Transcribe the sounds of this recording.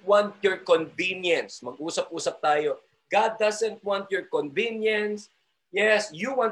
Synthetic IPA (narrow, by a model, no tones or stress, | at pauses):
wãnt̪̚jɔɹkɔ̃nvĩnjɐ̃nsmɐɡ̚ʔuːsɐpʔuːsɐp̚t̪aːjo | ɡ̥ad̪̚ːazɛ̃nt̪̚wãnt̪̚jɔɹkɔ̃nvĩnjɐ̃ns | jɛsjuwãn